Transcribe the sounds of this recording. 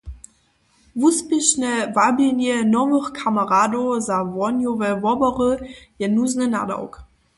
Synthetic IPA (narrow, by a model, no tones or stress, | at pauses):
vuspɪʃnəvabinjənɔvəχkʰaməʁaːdozavɔnjovɛvɔbəʁəjɛnuznəna̰da̰wk